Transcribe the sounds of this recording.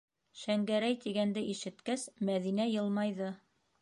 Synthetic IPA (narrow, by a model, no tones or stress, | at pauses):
ʃæŋɡæɾæjt̪iɡænd̪ɘʔiʃɘ̆t̪kæsmæðinæjɤlˠmɑjðɤ